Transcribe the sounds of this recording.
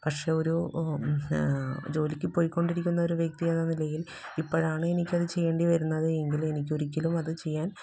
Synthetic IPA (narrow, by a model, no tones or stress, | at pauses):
pɐkʂe̞o̞ɾu | d͡ʑo̞ːlikʲːɨpo̞ːjikʲːo̞ɳɖiɾikʲːunːɐo̞ɾuʋjek̚t̪ienːɐnilɐjil | ipːoːɻaːɳɨe̞nikʲːɐðɨt͡ɕe̞jːeːɳɖiʋɐɾunːɐðɨe̞ŋɡilume̞nikʲːo̞ɾikʲːɐlumɐðɨt͡ɕe̞jːaːn